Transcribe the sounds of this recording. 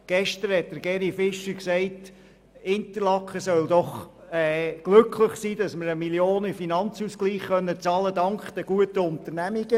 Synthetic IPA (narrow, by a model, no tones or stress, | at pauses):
ɡ̥ɛʃtəɾhɛt̚d̥̪əɾɡɛɾifɪʃəksɛɪt | ɪntəlɑkχəsœld̪ɔχɛːɡ̥lɵkʰləχsiːd̥ɑsməɾəmiljoːnəfinɑnt͡suskliːχːœnːət͡sɑːlədɑŋkχd̥̪ɛɡ̥uətəʊntəɾnæmiɡ̥ə